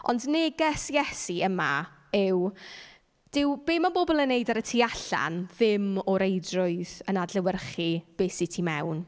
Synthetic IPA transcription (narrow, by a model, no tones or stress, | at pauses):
ɔ̰ndneɡɛsjɛsiəma̰ | ɪw | d̥ɪwb̥eːmanbɔbɔlˠənːejdaɾətʰiːaɬa̰nðɪmɔɾejdrʊɨðənadləwərχib̥eːsitʰimɛwn